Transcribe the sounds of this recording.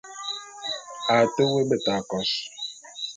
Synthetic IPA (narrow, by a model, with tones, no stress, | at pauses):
a˨te˦we˦be˨ta˨kɔ˦s